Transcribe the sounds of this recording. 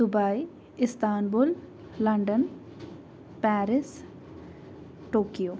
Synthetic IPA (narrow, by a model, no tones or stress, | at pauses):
sʊbaːi | ɪst̪aːnbulː | ɐɳɖən | pɛːɾɪs | ʈoːkijoː